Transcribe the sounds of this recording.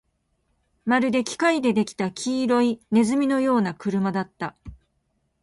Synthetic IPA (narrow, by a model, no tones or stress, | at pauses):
maɾɯ̟d̪e̞kʲi̥kaid̪e̞d̪e̞kʲi̥t̪akʲʰiːɾo̞ine̞zɨmʲino̞jo̞ːnakɯ̟ɾɯ̟mad̪at̪ːa